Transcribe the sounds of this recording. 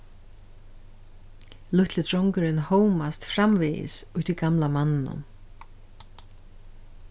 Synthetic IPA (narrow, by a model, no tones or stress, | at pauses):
lʊht̪lɪt̪ʰɾɔwŋkʏɾɪnhoːwmast̪fɾamvɪɪ̰sʊht̪viɡamlamanːɪnʊ̰n